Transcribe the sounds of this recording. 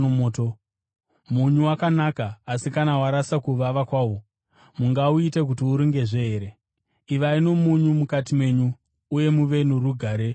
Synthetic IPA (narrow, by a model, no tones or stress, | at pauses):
omoːto | muɲuwakanakaːsikanawaɾasakuʋaʋakwaːwo | muŋɡauitek̬utiuɾiŋɡe̞ʐeːɾe̞ | iʋaino̞muɲumukatimwe̞ɲuː | je̞muʋe̞nuɾuɡʱaːɾe̞